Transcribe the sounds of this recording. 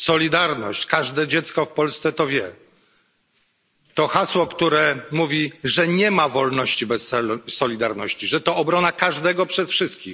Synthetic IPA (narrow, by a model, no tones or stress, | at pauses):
sɔlʲid̪aɾnɔ̰ɕt͡ɕkaʐd̪ɛd͡ʑɛt̪skɔfpɔlst̪sɛt̪ɔvʲjɛ | t̪ɔxaswɔkt̪uɾɛmuvʲiʐɛɲɛmavɔlnɔɕt͡ɕibɛsɛsɔlʲid̪aɾnɔɕt͡ɕiʐɛt̪ɔːbɾɔnakaʐd̪ɛɡɔpʂɛsfʂɘst̪̚kʲix